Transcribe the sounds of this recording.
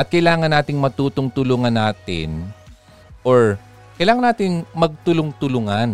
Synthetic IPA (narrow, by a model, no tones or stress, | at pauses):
ʔɐt̪̚kɐjlaːŋɐnːaːt̪ɪŋmɐt̪uːt̪ʊŋt̪ʊlʊŋɐnːaːt̪ɪ̰n | ʔoɹ | kɐjlaːŋɐnaːt̪ɪŋmɐɡ̚t̪ʊlʊŋt̪ʊlʊŋan